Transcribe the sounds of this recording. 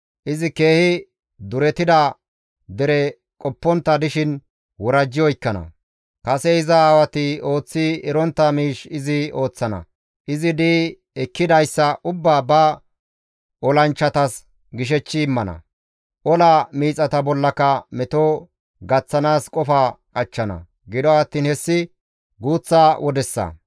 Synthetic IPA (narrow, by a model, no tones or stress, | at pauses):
ʔɪzɪke̞ːhɪ | d̪ʊɾɛt̪ɪd̪a | d̪ɛɾɛ | kʼɔpːɔnt̪ːɐd̪ɪʃɪn | wɔɾɐd͡ʒːɪjɔjɪkːɐnɐ̰ | kɐsɛɪzɐaːwɐt̪ɪo̞ːt͡sːɪɛɾɔnt̪ːɐmiːʃɪzɪo̞ːt͡sːɐnɐ̰ | ʔɪzɪd̪iː | ɛkːɪd̪ɐjsːɐʔʊbːaːbɐ | ʔɔlɐnt͡ʃːɐt̪ɐs | ɡɪʃ̬ɛt͡ʃːɪːmːɐnɐ̰ | ʔɔlamiːt͡sʼɐt̪ɐbɔlːɐkɐmɛt̪o | ɡɐt͡sːɐnaːskʼɔfaːkʼɐt͡ʃːɐnɐ̰ | ɡɪd̪ɔɐt̪ːiːnhɛsːɪ | ɡuːt͡sːaːwɔd̪ɛsːɐ̰